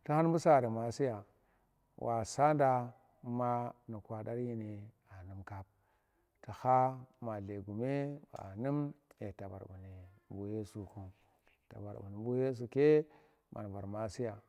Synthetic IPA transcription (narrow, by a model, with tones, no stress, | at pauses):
ta˦ha˦n˦bu˦sa˦˨da˨ma˨si˦ja˨ | wʔa˨sa˦nda˨˦ | ma˦ni˨kʷa˨da˦ɾji˦ni˨ | a˨nu˨mka˦b̚ | ta˨ha˦ma˨le˨ɡu˨me˦ba̰˨nu˦mjḛ˨ta˨ba̰˨ɾbu˨ni˨bu˦je˦su˨ku˨ | ta̰˨ba̰˨ɾbu˨ni˨bu˦je˦s̬u˨ke˦ | mʔa̰˨n˨va˨ɾma˨si˦ja˨